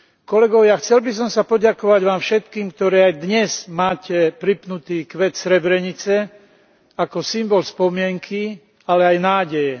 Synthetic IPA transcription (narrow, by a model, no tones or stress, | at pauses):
kɔlɛɡɔʊjaxt͡sɛlbis̬ɔmsapɔɟakɔʋaɟʋaːmfʃɛt̪kiːmk̚t̪ɔɾiːajd̪ɲɛz̥maːcɛpɾipnut̪iːkʋɛt̪sɾɛbɾɛɲit͡sɛ | akɔsimbɔlspɔmɪɛŋkʰi | alɛajnaːɟɛjɛ